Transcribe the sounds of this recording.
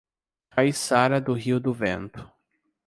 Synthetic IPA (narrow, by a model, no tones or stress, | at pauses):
kajsaɾɐd̪ʊɦiwd̪ʊvḛ̃nt̪ʊ̥